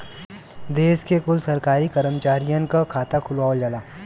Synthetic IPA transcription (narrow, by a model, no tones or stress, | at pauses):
d̪eːskekʊlsɐɾkaːɾikɐɾəmt͡ʃaːɾijãnkakʰaːt̪akʰʊlwaːold͡ʒalaː